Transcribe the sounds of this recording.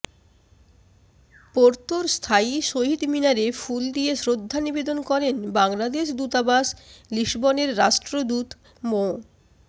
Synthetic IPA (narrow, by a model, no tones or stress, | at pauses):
poɾt̪oɾst̪ʰaiʃoɦid̪minaɾefuld̪iesɾod̪ʱːanibed̪onkɔɾenbaŋlad̪eʃ̬d̪ut̪abasliʃboneɾːaʃʈɾod̪ut̪ | mo